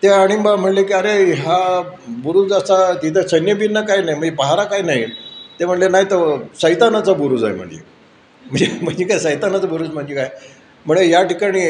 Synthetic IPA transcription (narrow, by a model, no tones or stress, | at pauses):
t̪eaɽ̃imbam̤əʈlekiːəɾeɦabuɾuːd͡zəsat̪it̪ʰəsənjəbinːəkajnaim̤əɳd͡zepəɦaɾakajinait̪em̤əʈlenait̪əɾsəjt̪anat͡sabuɾuːd͡za̰j̰m̤ə̰ɳd͡zḛ | məɳd͡zem̤əɳd͡zekajsəjt̪anat͡sabuɾuːd͡zm̤əɳd͡ʑekaj | m̤əɳejaʈikaɽ̃iː